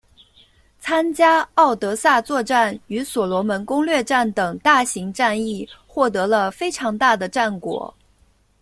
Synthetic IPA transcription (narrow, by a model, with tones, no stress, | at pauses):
t͡sʰa˥nt͡ɕja˥ɑ˥˩ʊt̪ɤ˧˥sa˥˧t͡swɔ˥˧ʈ͡ʂa˥˩ny˧˥swɔ˨˩lwɔ˧˥mə˧˥nkʊ˥ŋlɥɛ˥˧ʈ͡ʂa˥˩nt̪ɤ˨˩ŋt̪a˥˩ɕi˧˥ŋʈ͡ʂa˥˧ni˥˩xwɔ˥˩t̪ɤ˧˥lə˧fe˥ɪʈ͡ʂʰɑ˧˥ŋt̪a˥˩d̪ə˩ʈ͡ʂa˥˩nkwɔ̰˨˩˦